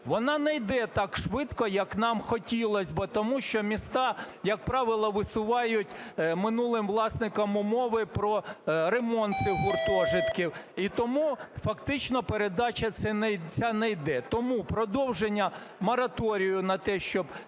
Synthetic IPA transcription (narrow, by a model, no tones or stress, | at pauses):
ʋɔnɑnɛjd̪ɛt̪ɑkʃʋɪt̪kɔjɐknɑmxɔtʲilˠɔsʲbɔt̪ɔmuʃt͡ʃɔmʲist̪ɑjɐk̚pɾɑʋɪlˠɔʋɪsʊʋɑjʊtʲmɪnulˠɪmʋlˠɑsnɪkɐmʊmɔʋɪpɾɔɾemɔnt̪ɪɦʊrt̪ɔʒɪt̪kʲiwit̪ɔmufɐkt̪ɪt͡ʃnɔpeɾed̪ɑt͡ʃʲɐt̪sɛnɛt͡sʲɑnɛjd̪ɛt̪ɔmupɾɔd̪ɔwʒenʲːɐ | mɔɾɐt̪ɔɾʲijʊnɐt̪ɛʃt͡ʃɔb